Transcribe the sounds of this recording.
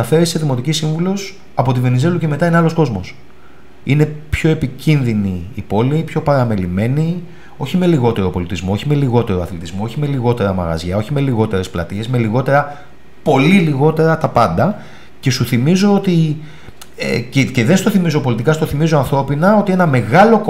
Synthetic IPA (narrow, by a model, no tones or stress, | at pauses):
ɐfe̞ɾise̞ðimo̞t̪icisiɱvulo̞s | ɐpo̞t̪ive̞nize̞luce̞me̞t̪ɐineɐlo̞sko̞zmo̞s | ine̞pço̞e̞picinðiniːpo̞lipçopɐɾɐme̞lime̞ni | o̞çime̞liɣo̞t̪e̞ɾo̞po̞lit̪izmo̞o̞çime̞liɣo̞t̪e̞ɾoɐθlit̪izmo̞oçime̞liɣo̞t̪e̞ɾɐmɐ̰ɣɐ̰zʝɐo̞çime̞liɣo̞t̪e̞ɾesplɐt̪ie̞zme̞liɣo̞t̪e̞ɾɐ | po̞liliɣo̞t̪e̞ɾɐt̪ɐpɐnd̪ɐ | ce̞suθimizo̞ot̪i | cece̞ðest̪oθimizo̞po̞lit̪ikɐst̪oθimizo̞ɐnθɾo̞pinɐo̞t̪ie̞nɐme̞ɣɐlo̞k